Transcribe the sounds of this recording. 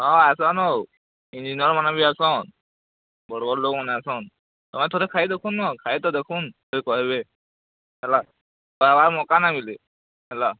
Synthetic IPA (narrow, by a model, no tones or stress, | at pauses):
ɦãasanow | ind͡ʑiniəɾmanabiːasan | bəɾobəɾlokmanaasan | t̪əmaet̪ʰoɾekʰaid̪ekʰuːnːakʰait̪ɔd̪ekʰuːnoɾikɔɦebe | ɛla | bəɾabaɾmɔkanamile | ɛla